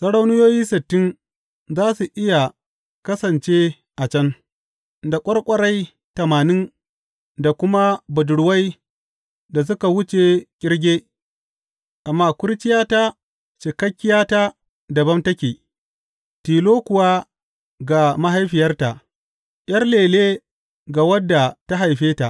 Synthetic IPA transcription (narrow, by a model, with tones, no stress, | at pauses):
sɐ˦ɽa˦wnʊ˦joː˦jiː˦sɪ˨tːɪ˦n | zaː˦su˨ʔɪ˦ja˨ | kɐ˦sɐ˨nt͡ʃe˦ | ʔa˨t͡ʃɐ˦n | da˨kʷʼɐ˦ɽkʷʼɐ˦ɽɐ˦j | tɐ˨maː˨nɪ˦n | da˨kʷʊ˦ma˦bɐ˨dʊ˨ɽʊ˨˦wa˦j | da˨s̬ʊ˦ka˨wʊ˦t͡ʃe˨kʲʼɪ˦ɽɡʲeː˦ | ʔa˨mːaː˦kʷʊ˦ɽt͡ʃɪ˦jaː˦ta˦ | t͡ʃe˨kɐ˦kʲːɪ˦jaː˦ta˦ | dɐ˨bɐ˦mtɐ˦kʲeː˨ | tiː˨loː˦kʷʊ˨waː˦ | ɡa˨ma˦ɦa˦jɸɪ˨jɐ˦rta˨ʔ | j̰ɐ˦rleː˨leː˦ | ɡa˨wɐ˦dːa˨ta˦ɦa˨jɸeː˦ta˨ʔ